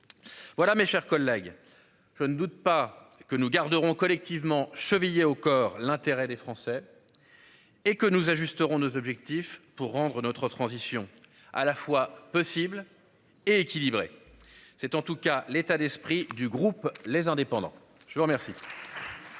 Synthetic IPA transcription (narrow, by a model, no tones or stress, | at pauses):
vwalameʃɛʁkɔlːɛɡ | ʒ̥ənəd̪ut̪̚pakənuɡaʁd̪əʁɔ̃kɔlɛk̚t̪ivmɑ̃ʃəvijeokɔːʁlɛ̃t̪eʁɛd̪efχɑ̃sɛ | ekənuzaʒyst̪əʁɔ̃nozɔbʒɛk̚t̪ifpuʁːɑ̃d̪ʁənɔt̪χət̪χɑ̃zisjɔ̃ | a̰lafwapɔsibl | eekʲilibʁḛ | sɛt̪ɑ̃t̪ukalet̪ad̪ɛspχid̪yɡʁuplezɛ̃d̪epɑ̃d̪ɑ̰̃ | ʒ̥əvuʁmɛʁsi